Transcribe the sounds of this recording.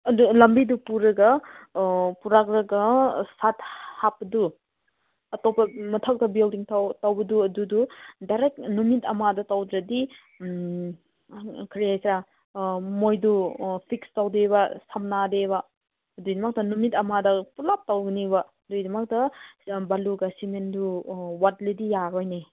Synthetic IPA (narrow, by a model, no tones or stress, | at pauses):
ɐdulɐmbidupuɾɐɡɐ | puɾak̚ɾɐɡɐsat̚hapːɐdu | ɐtɔwpɐmɐtʰak̚tɐbildiŋtʰawtawbɐduɐdududaɾek̚numitɐmadɐtawdɾɐdi | kʰɾijajsɾa | mojdupʰikstawdebɐsamnadebɐ | dujdimɐk̚tɐnumitɐmadɐpulap̚tawɡnibɐ | dujdimɐk̚tɐbaluɡɐsimenduwat̚ledijaɾojne